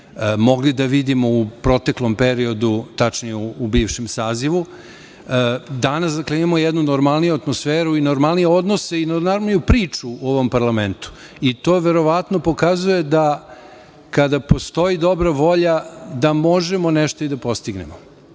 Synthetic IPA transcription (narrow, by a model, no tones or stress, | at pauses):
mo̞ɡlid̪aʋid̪imoupɾo̞t̪e̞klo̞mpeɾio̞d̪ut̪at͡ʃnijeuːbiːʋʃemsaːziʋu | d̪anasd̪akleimamojɛd̪nunoɾmalˠnijuat̪mosfeːɾuinoɾmalˠnijeo̞d̪noseinomaɾmnijupɾiːt͡ʂuoʋo̞mpaɾlament̪u̥ | it̪oːʋeɾo̞ʋat̪nopo̞kazuje̞d̪a | kad̪apo̞st̪o̞id̪o̞bɾaʋo̞ʎad̪amoʒemoneʃt̪oid̪apo̞st̪iɡnemo